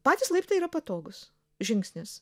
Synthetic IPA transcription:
pɑːt̪ʲɪslˠɐɪpʲt̪ɐiːɾɐpɐt̪oːɡʊs | ʒʲɪŋksʲnʲɪs

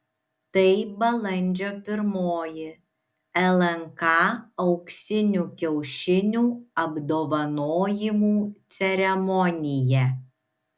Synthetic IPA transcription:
t̪ɐɪbɐlˠɐnʲd͡ʒʲoːpʲɪɾmoːjɪ | ɛlˠɛŋkɑːɒʊksʲɪnʲuːkʲɛʊʃʲɪnʲuːɐbd̪oːʋɐnoːjɪmuːt̪sʲɛɾʲɛmɔnʲɪjɛ

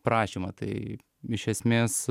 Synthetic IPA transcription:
pɾɑːʃʲimɐt̪ɐɪ | ɪʃʲɛsʲmʲeːs

